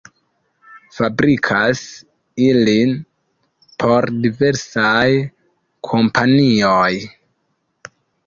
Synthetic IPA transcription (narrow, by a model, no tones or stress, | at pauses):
fabɾikʰas | ilin | pʰo̞ɾdive̞ɾsaj | kʰo̞mpanioj